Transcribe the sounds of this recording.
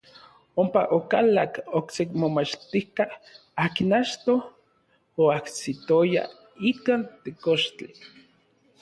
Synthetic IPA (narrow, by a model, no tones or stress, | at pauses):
ompa̰ʔokalakoksekmomat͡ʃt̪ihka | aːkinat͡ʃt̪o | oahsit̪oja̰ | ikaːnt̪ekoʃt͡ɬi